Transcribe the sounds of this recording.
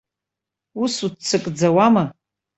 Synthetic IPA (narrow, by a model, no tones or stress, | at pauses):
usut͡sʰːɨkʼd͡zawama